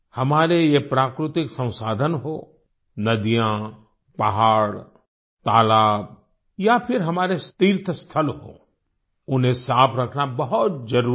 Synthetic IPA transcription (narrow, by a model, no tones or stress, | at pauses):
hɐmaːɾejepɾaːkɾɪt̪ɪksɐ̃w̃saːd̪ʱənɦo | nɐd̪ijã | pɐɦaːɽ | t̪aːlaːb̚ | japʰɪɾɦɐmaːɾest̪iːɾt̪ʰəst̪ʰəlɦo̰ː | ʊnɦẽsaːpʰɾɐkʰnabɐɦʊt̪̚d͡ʒɐɾuː